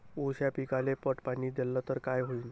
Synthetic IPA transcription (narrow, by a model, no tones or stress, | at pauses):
uɕjapikalepəʈpanid̪elːət̪əɾkajɦoin